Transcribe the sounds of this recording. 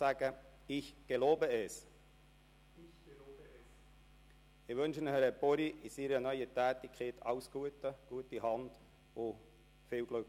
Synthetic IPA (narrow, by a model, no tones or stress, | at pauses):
sæɡ̥ə | ɪçɡ̥eloːbəɛs | ɪʋɵnʃənəhɛɾɛpɔɾiɪsiɾənœʏətæːtikχetʰɑ̰wsɡ̥uətəɡ̥uətiɦɑnd̥ | ʊ | fɪːwɡ̥løk